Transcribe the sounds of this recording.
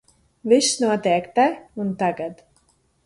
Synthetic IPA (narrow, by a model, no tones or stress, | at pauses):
viʃnuɔt̪eːkt̪ɛunt̪aɡad̪